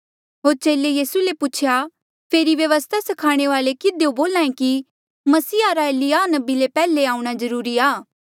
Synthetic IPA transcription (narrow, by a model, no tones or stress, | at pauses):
ɦoːɾt͡ʃeːlejiːsuleput͡ʃʰja | pʰeːɾiʋjɐʋəst̪ʰasɐkʰaːɽ̃eʋaːlekɪd̪eoboːlãːẽki | mɐsiːaɾaelɪanɐbilepɛːleaːũɽ̃azɐɾuːɾiaː